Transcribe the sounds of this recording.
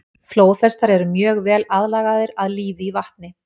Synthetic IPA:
floːwθɛst̪aɾɛɾʏmjœːɣvɛːlaðlaːɣaðɪɾaðliːvɪivaht̪nɪ

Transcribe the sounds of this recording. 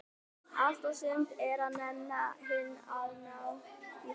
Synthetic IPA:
ast̪asɪmt̪ɛɾaðnɛnːaɦɪnːaðnawi

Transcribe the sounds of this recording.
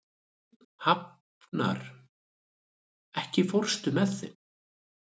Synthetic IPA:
hap | na̰ɾ̥ | ɛhcɪfɔr̥st̪ʏmɛðθɪ̰n

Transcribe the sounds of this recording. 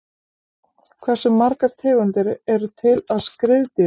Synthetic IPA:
kʰvɛr̥sʏmːaɾkaɾ̥t̪ʰɛːɣʏnt̪ɪɾɛɾʏt̪ʰɪlaðskɾɪðt̪ɪ

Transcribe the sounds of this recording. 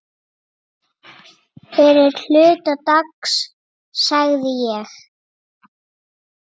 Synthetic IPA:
fɛɾɪɾ̥l̥ʏːt̪at̪aks | saɣðɪjɛx

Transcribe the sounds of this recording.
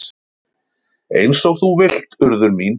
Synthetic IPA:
ejnsoɣθuvɪl̥t̪ʏɾðʏɾmin

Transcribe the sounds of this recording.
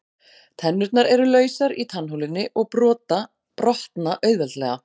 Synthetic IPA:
t̪ʰɛnːʏɾt̪naɾɛɾʏlœːɥsaɾit̪ʰanɦowlɪnːɪʔɔɣpɾɔːt̪a | pɾɔht̪naʔœːɥðɛlt̪lɛɣa

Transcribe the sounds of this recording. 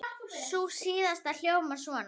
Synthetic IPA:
susiːðast̪al̥joːwvʏmaɾ̥suan

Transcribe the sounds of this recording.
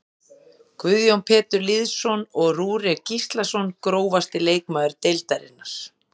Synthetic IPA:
kvʏðjownpʰɛːt̪ʏɾliðsɔnɔɣruːɾɛcist̪lasɔnkɾoːwvast̪ɪleːjkmaːðʏɾt̪ejlt̪aɾɪ̰nːaɾ̥

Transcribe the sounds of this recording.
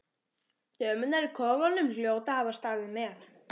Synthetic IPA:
jœːmʏnːaɾɪkʰɔːɣanːʏml̥joːwt̪ahaːvast̪aːðɪmɛːθ

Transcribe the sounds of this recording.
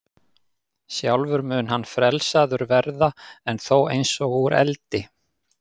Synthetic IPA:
sjawlvʏɾmʏnhanːfɾɛlsaðʏɾvɛɾðaɛnθowejnsɔɣuɾɛ̰lt̪ɪ

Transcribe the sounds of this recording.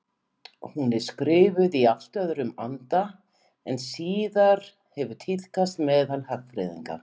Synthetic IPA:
hunɪ̥skɾɪːvʏðial̥t̪œðɾʏmant̪a | ɛnsiːðaɾ̥ | hɛvʏ̥t̪ʰɪl̥kast̪mɛːðalhaxfɾɛ̰ðḭŋka̰

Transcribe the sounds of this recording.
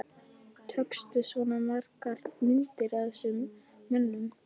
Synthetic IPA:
t̪ʰœkst̪ʏsvɔnamaɾ̥kaɾmʏnt̪ɪɾaðsʏmː | œnːʏm

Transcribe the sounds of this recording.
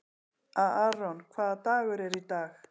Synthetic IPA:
ʔaʔːronkʰaːt̪aːweɾeɾit̪ax

